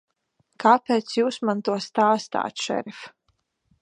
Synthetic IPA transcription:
kaːpʲeːt̪sjuːsmant̪uɔst̪aːst̪a̰ːt̪ʃɛ̰ɾif

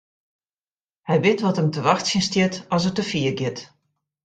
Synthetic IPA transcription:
hɛjʋɪtʋɔtəmtəʋaxtsjənstjɪtɔs̬ətəfiərɡjɪt

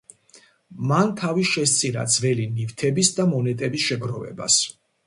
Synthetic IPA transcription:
mant̪ʰaviʃɛst̪sʼiɾa̰d̪zvɛlinivt̪ʰɛbisd̪amɔnɛt̪ʼɛbisʃɛɡɾɔvɛ̰ba̰s

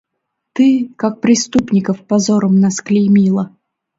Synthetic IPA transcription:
t̪ɨkak̚pɾʲɪst̪upnʲɪkəfpɐzoɾəmnasklʲɪmʲilˠə

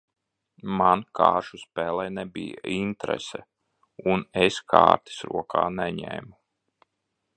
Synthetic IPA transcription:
mankʰaːɾʃuspɛːlˠɛjnɛbijaint̪ɾɛ̰sɛ | uneskʰa̰ːɾt̪i̥sɾṵɔkʰaːnɛɲɛ̰ːmu

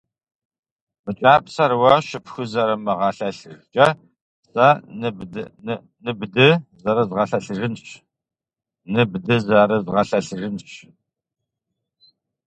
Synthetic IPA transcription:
m̥ɨt͡ʃʼaːpsɐɾwɐʃɪpxɨzɐɾɐmɐʁɑɬɐɬɨt͡ʃʼɐ | sa | nɨbdɨzɐɾɐzʁɐɬɐɬɨʒɨnɕ | nɨbdɨzɐɾɐzʁɐɬɐɬɨʒɨnɕ

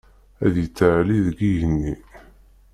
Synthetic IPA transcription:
æðjit͡sːəʕliðɡiʝənːi

